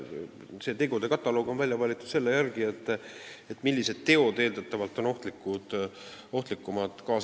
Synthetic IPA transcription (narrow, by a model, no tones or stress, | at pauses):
se̞t̪e̞ɡud̪̥e̞kɑt̪ːˑɑlo̞ːɡ̥o̞nvælʲjɑvɑlʲit̪ːˑu̥t̪se̞lːejærɡie̞t̪ːˑ | et̪ːˑmilʲːise̞d̪̥̚t̪ːe̞o̞d̪e̞ːld̪ɑt̪ːˑɑvɑlt̪ːˑo̞no̞ht̪likːˑud̪̥ | o̞ht̪likːˑumɑd̪̥kɑːs